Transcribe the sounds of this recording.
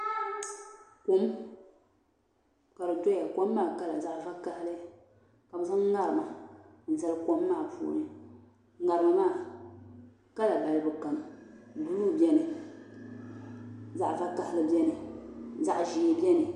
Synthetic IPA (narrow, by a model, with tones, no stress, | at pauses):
tu˨˦n˦ | ka˨ɾɨ˨to˦ja˨ko˦mː˦aː˦˨ka˦la˨za˦ʔva˦ka˦hɪ˦lɨ˦ | ka˨bɨ˨za˦ŋ˦ŋa˦ɾɨ˨ma˨n̩˨za˦lɨ˦ko˦mː˦aː˦˨pṵː˨nɨ˨˦ | ŋa˨ɾɨ˨ma˨maː˦˨ | ka˦la˨ba˨lɨ˨bɨ˨ka˨m˨bu˦luː˦bɛ˦nɨ˨ | za˦ʔfa˦ka˦hɪ˦lɨ˦bɛ˦nɨ˨za˦ʔʒi˨˦bi˦ɛ˦nɨ˨